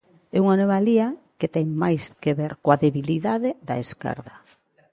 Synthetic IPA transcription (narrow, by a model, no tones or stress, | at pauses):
ɛuŋanomalia | ket̪ɛŋmajskeβɛɾkoaðeβiliðaðeðaeska̰ɾðɐ